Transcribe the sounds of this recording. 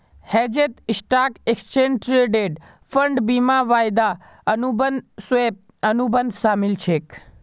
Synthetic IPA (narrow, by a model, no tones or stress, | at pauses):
hɛːd͡ʒet̪ɪsʈaːkekst͡ʃeːnʈɾeːɖeːɖ | fʰəɳɖbimaʋaːjd̪a | ənubənsʋep̚ | ənubənd̪ʱʃaːmilt͡ʃʰeːk